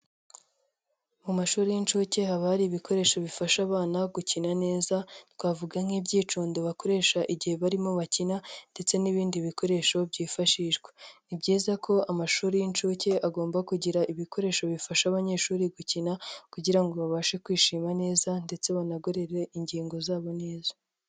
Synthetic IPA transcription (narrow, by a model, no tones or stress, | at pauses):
mumaʃuːɾijint͡ʃuːce̞haβahaɾiːβiko̞ɾe̞ʃo̞βifaʃaβaːnaɡucinane̞ːzatwaːvuɡaŋ̥hibɟiːt͡ʃuːndoβako̞ɾe̞ːʃaʔiɟihe̞βaɾimo̞βacinande̞t͡se̞niβiːndiβiko̞ɾe̞ʃo̞bjɟiːfaʃiʒɡwenibɟiːzakʰo̞amaʃuːɾijint͡ʃuce̞aɡo̞ːmbakuɟiɾaʔiβiko̞ɾe̞ːʃo̞βifaʃaβaɲe̞ʃuːɾiɡucinakuɟiɾaŋɡo̞βaβaːʃe̞kwiːʃiːmane̞ːzande̞t͡se̞βanaɡoɾe̞ɾe̞iɲɟiːŋɡo̞zaːβo̞ne̞ːzḁ